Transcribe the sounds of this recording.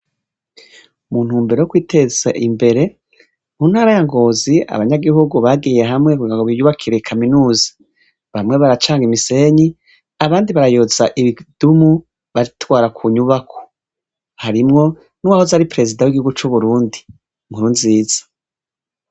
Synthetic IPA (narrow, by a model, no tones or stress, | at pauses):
mun̥huːmbeɾojokwiːte̞zaʔimbe̞ɾe̞ | muːn̥haɾajaŋɡo̞ːzia̰βaɲaɡihuɡuβaɡije̞ɦamŋekuiŋɡaŋɡoβijuβakʰiɾe̞kʰaminuːzḁ | βamŋe̞βaɾat͡ʃaːŋɡimise̞ɲi | aβaːndiβaɾajoz̥aʔiβid̥umu | βaɾitwaːɾakʰuɲuβakʰo̥ | haɾimŋo̞ | nuwahozaɾipɾe̞zidawiɡihuɡut͡ʃuβuɾuːndi | muɾuːndiziːz̥ḁ